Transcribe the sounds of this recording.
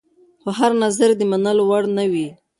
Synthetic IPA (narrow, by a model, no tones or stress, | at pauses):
xoɦaɾnazaɾd̪əmanəlowaɽnawi